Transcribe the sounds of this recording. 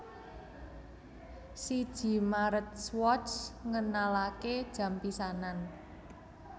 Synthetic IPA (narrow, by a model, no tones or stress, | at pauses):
sid̥ʒ̥i̤maɾət̪̚swɔtsŋənalaked̥ʒ̥a̤mpisanan